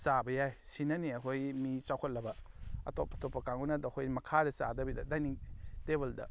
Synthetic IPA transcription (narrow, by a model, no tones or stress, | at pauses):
t͡ʃabɐjajsinɐniɐkʰojmit͡ʃawkʰɔt̚lːɐbɐɐ̰top̚ɐtopːɐkaŋunɐdɐkʰojmɐkʰadɐt͡ʃa̰dɐbidɐdajniŋtebeldɐ̰